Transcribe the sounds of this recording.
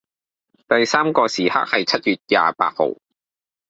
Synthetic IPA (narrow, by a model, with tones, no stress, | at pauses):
t̪ɐ˨jsaː˥mkɔː˧siː˨˩ha̰ː˥k̚hɐ˨jt͡sʰɐ˦˥t̚jyː˨t̚ja̰ː˨pa̰ː˧t̚ho̰˨w